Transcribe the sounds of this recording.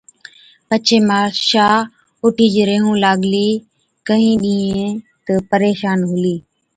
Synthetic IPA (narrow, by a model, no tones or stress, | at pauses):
pət͡ʃʰeːmãːʃaː | ʊʈʰiːd͡ʒɾeːɦũːlaːɠliː | kəɦĩːɗĩːẽt̪əpəɾeːʃaːnɦʊliː